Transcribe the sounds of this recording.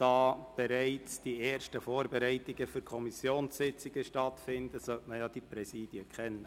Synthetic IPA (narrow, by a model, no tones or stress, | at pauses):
d̥ɑːb̥ɛɾæɪt͡sd̥ieːɾʃtəfoːrbɛɾæɪtiɡəfyɾkʰɔmisjoːnsɪt͡siɡ̥əʃtɑtfɪnd̥̪əsœtməjɑd̥ipɾɛsiːd̥jəkχɛnːə